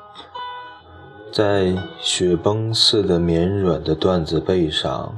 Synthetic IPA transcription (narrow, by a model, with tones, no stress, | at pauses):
t͡sa˥˩ɪɕɥɛ˧˥pɤ˥ŋsɹ̩˥˩d̪ə˩mjɛ˧˥nɻwə˨˩nd̪ə˦t̪wa˥˧nd͡zɹ̩˧pe˥˧ɪʂɑ̰˨˩˦ŋ